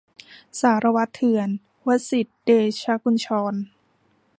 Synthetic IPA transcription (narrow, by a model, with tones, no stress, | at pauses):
saː˩˦ɾa˧wa˦˥t̪ʰːɯ˧ən | wa˦˥t̪̚si˨˩t̪̚deː˧t͡ɕʰa˧˥ku˧nt͡ɕʰɔː˧n